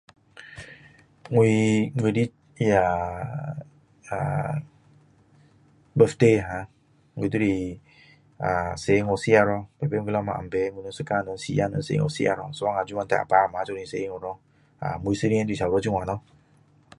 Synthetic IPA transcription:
ŋʷ˨i˧ŋʷ˨e˨di˦ | i˦a˨ | a˨ | bə˨fte˦˨ɦã˨˦ | ŋʷ˨e˨tu˦ɾi˨ | a˨se˨˦ŋo˨si˦a˧ɾɔ˦be˨be˦i˦lɔ˦mã̰˨a̰˨m˨be˨˦ŋʷu˨no˦sɨ˦ka˦˨nɔ˨˦sḭ˦ja˦nɔ̰˨˦sḛ˨˦ŋo̰˨sḭ˦a̰˨ɾɔ̰˨sɔ˦a˦ŋa˨d͡ʒu˦mã˦n˦tɛ˦˨a̰˨pa˦ɾma˨˦t͡ʃɔ˦ĩ˨se˨˦ŋo˨ɾɔ˦ | a̰˨mu˨i˨sə˦ɾi˦ɛ̃˦di˨sa˨u˨ɾɔ˦d͡ʒi˦ŋʷ˨a˨nɔ˦

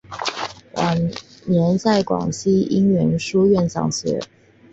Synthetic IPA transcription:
wʔɑ̰˨˩njɛ˧˥nsa˥˩ɪkwɑ̰˨˩ŋɕi˥i˥ŋɥɛ˧˥nʂu˥ɥɛ˥˩nt͡sɑ̰˨˩ŋɕɛ̰˧˥

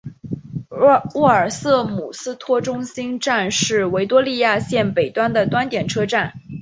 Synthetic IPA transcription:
wɔ˥˩ə˞˨˩sɤ˥˩mu˨˩sɹ̩˥t̪ʰwɔ˥ʈ͡ʂʊ˥ŋɕi˥nʈ͡ʂa˥˧nʂɻ̩˥˩we˧˥ɪt̪wɔ˥li˥˧ja˥˧ɕjɛ˥˩npe˨˩ɪt̪wa˥nd̪ə˨t̪wa˥nt̪jɛ˨˩nʈ͡ʂʰɤ˥ʈ͡ʂa˥˩n

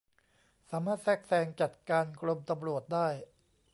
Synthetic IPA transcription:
saː˩˦maː˥˩t̪̚sɛː˥˩k̚sɛː˧ŋt͡ɕa˨˩t̪̚kaː˧nkʰɾo˧mt̪a˧mɾu˨˩ət̪̚daː˥˩j

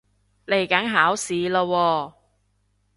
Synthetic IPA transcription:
le˨˩jkɐ˨˥nɦaː˨˥wsiː˨˧laː˧wɔː˧

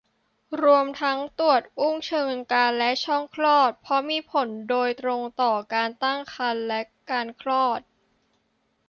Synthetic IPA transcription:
ɾu˧əmt̪ʰa˦˥ŋt̪u˨˩ət̪̚ʔu˥˩ŋt͡ɕʰɤː˧ŋkaː˧nlɛ˦˥t͡ɕʰɔ˥˩ŋkʰlɔː˥˩t̪̚pʰɔ˦˥miː˧pʰo˩˦ndoː˧jt̪ɾo˧ŋt̪ɔː˨˩kaː˧nt̪a˥˩ŋkʰa˧nlɛ˦˥kaː˧nkʰlɔː˥˩t̪̚

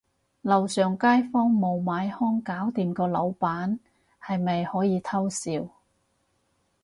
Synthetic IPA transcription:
lɐ˨wsœː˨˩ŋkaː˥jfɔː˥ŋmo˨wmaː˨˧˥jhɔː˥ŋkaː˨˥wt̪iː˨mkɔː˧lɐ˨˧˥wpaː˨˥n | hɐ˨jmɐ˨jhɔː˨˥jiː˨˧t̪ʰɐ˥wsiː˧w

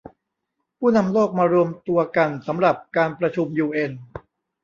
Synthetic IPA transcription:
pʰuː˥˩na˧mloː˥˩k̚maː˧ɾu˧əmt̪u˧ɐka˧nsa˩˦mɾa˨˩p̚kaː˧npɾa˧t͡ɕʰu˧mjuː˧ʔe˧n

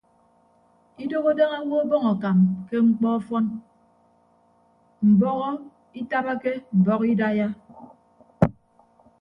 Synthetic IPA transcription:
i˦do˦ɣo˦de˦ŋa˦ŋʷo˦bɔ˦ŋɔ˨ka˨mke˦ŋ͡m̩˦k͡pɔ˦fɔ˦n | m̩˨bɔ˦ɣɔ˦ | i˦ta˦ba˦ke˦m̩˨bɔ˦ɣi˦da˦ja˦

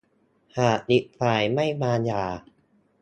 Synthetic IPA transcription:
haː˨˩ɗi˨˩t̪̚faː˨˩jma˥˩jmaː˧njaː˨˩

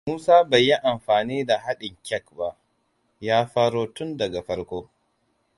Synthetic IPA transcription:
muː˦saː˦bɐ˨jːi˦ʔa˨mɸaː˨niː˦da˨ɦa˦ɗɪ˨ŋkʲɛ˦kba˦˨ʔ | jaː˦ɸaː˦ɽoː˦tʊ˦ndɐ˨ɡa˨ɸɐ˦ɽkʷoː˦

